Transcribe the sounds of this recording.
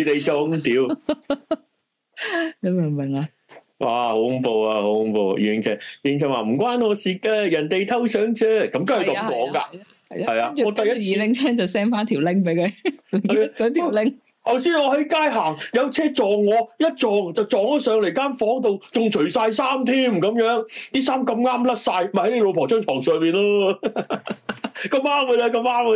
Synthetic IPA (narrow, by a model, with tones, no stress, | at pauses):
t̪e˨jt͡sʊ˨ŋt̪iː˨˥w | jɐ˨˧mɪ˨˩ŋmɪ˨˩ŋa˨˧ | wa̰ː˨˧ho˨˥ʊ˧˥mpo˧wa˧ho˨˥ʊ˧mpo̰˧w̰ji˨˩ɪ˨˩ŋt͡sʰɛ˨˧iː˨ɪ˨ŋt͡sɛ˨˧˩waː˨˩m̩˨˩kʷwaː˥nŋɔː˨˧siː˧k̚ːɛː˧jɐ˨˩nt̪e˨jt̪ʰɐ˥wsœː˨˥ŋt͡sɛː˥kɐ˨˦mkaː˥˨˩kɐ˨˦˧kɔː˨˥ŋka̰ː˧ | ɐ˨jhɐ˨jaː˧˥˨ŋɔː˨˧t̪ɐ˨jiː˨˧˨lɪ˨˩ŋt͡sʰɛː˥ŋt͡sɐ˨wsɛː˥ŋfaː˥nt̪ʰiː˨˩wlɪ˥ŋp̬e˨˥jkʰɵ˨˧˨ | kːt̪ʰi˨lɪ˥ŋ | hɐ˨wsiː˨˥nŋɔː˨˧ɦɐ˨˥jkaː˥jɦaː˨˩ŋjɐ˨˧wt͡sʰɛː˥t͡ʃɔː˨˩ŋːɔː˨˧jɐ˥t̚t͡ʃɔː˨ŋt͡sɐ˨wt͡ʃɔː˨ŋɔ˨˧sœː˨˧ŋle˨˩jkaː˥nfɔː˨˥ŋt̪̬o˨wt͡sʊ˨ŋt͡ʃʰɵ˨˩ɥsaː˧jsaː˥mt̪ʰiː˥mkɐ˨˧mjœː˨˥ŋt̪iː˥saː˥mkɐ˧mŋaː˥mlɐ˥t̚saː˧jma˨˩hne˧lo˨˧wpʰɔː˨˩t͡ʃœː˥ŋt̪ʰɔː˨˩ŋsœː˨ŋmiː˨nlɔː˥ | kɐ˧maː˥mkə˧ja˧kɐ˧maː˥m˧